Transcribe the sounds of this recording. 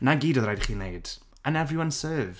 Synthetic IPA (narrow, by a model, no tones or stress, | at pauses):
naɡiːdɔðrajdχiːnejd̥ | anɛvrɪwansɜːv